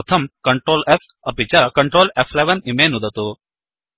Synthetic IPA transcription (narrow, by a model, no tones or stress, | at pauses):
t̪ʰɐmkəɳʈɾoːlɛs | ɐpit͡ɕakəɳʈɾoːlɛflɛʋɐnimenud̪ʱɐt̪o